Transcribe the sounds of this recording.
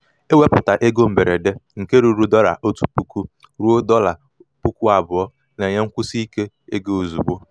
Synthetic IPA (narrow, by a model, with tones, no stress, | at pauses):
e˦we˦pʊ˨ta˨ʔe˦ɡo˦m̩˨be˨ɾe˨de˦ŋ̩˨ke˦ɾu˨ɾu˦dɔ˦ɾa̰˨ʔo˦tu˨pu˦ku˦ | ɾu˦o˦dɔ˦la˨ | pu˦ku˦a˨bʊ˨ɔ˦ | ne˨ɲe˦ŋ̩˦kʷʊ˦si˦i˦ke˦ | e˦ɡe˦o˨zu˨bo˦